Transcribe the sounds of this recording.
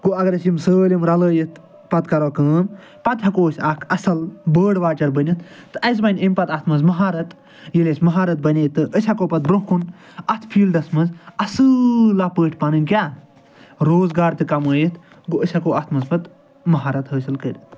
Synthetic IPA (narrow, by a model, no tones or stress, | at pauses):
ɡ̥oɐɡɐɾɐsimsəːlʲimɾɐləːjit̪ | pɐt̪kɐɾoːkəːm | pɐt̪ɦɐkoːsʲɐkʰɐsɐlbəːɽʋaːt͡ʃɐɾbɐnʲit̪ːɨɐzbɐnʲimʲpɐt̪ɐt̪ʰmɐzmɐɦaːɾɐt̪ | jelʲesʲmɐɦaːɾɐt̪̚bɐnʲeːt̪ːɨʔəsʲɐkoːpɐt̪̚bɾokʰun | ɐt̪ʰpʰiːlɖ̪ɐsmɐzɐsɨlapəːʈʰʲpɐnɨnʲkʲaː | ɾoːzɡaːɾt̪ɨkɐməːjit̪ | ɡoəsʲɐkoːɐt̪ʰmɐzpɐt̪ | mɐɦaːɾɐt̪ɦəːsilkəɾʲɐt̪